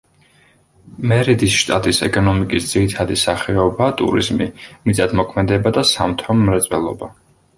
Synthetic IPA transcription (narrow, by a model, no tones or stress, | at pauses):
mɛɾid̪isʃt̪ʼat̪ʼisɛ̰kʼɔnɔmikʼisd̪z̥iɾit̪ʰad̪isaχɛɔbat̪ʼṵɾḭzmimit̪sʼat̪mɔkʰmɛd̪ɛbad̪asamt̪ʰɔmɾɛt̪sʼwɛlˠɔ̰ba